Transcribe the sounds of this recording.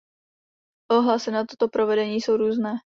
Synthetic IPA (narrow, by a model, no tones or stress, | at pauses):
ʔoɦlasɪnat̪ot̪o̞pɾovɛdɛɲiːso̞wɾuːznɛː